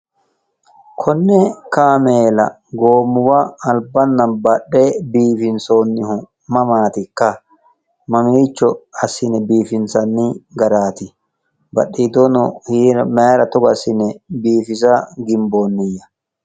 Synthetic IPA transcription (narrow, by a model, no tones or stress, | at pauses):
kʰɔnːɛkaːmeːlɐ̰ | ɡoːmːʊwɐːlbɐnːɐbɐɗːebiːfɪnsoːnːɪhʊ | mɐmaːt̪ɪkːɐ | mɐmiːt͡ʃːɔɐsɪnɛbiːfɪnsɐnːɪɡɐɾaːt̪ɪ | bɐ̰ɗiːd̪onɔhiːɾmeːɾɐt̪ɔɡɐsɪnɛbiːfɪs̬ɐɡɪmboːnːɪjːɐ